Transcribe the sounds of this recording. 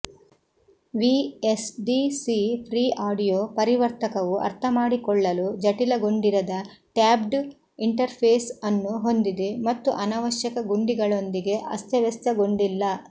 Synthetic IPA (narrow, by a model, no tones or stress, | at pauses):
ʋiesɖisipʰɾiːaːɖijoːpɐɾiʋɐɾt̪ɐkɐʋuʔɐ̰ɾt̪ʰɐmaːɽikɔɭːɐlud͡ʒɐʈilɐɡo̞ɳɖiɾɐd̪ɐ | ʈaːbɖ | iɳʈɐɾpʰeːsɐnːuɦo̞nd̪id̪e̞mɐt̪ːuʔɐnaːʋɐʃjɐkɐɡuɳɖiɡɐɭo̞nd̪iɡe̞ʔɐst̪ɐʋɛst̪ɐɡo̞ɳɖilːɐ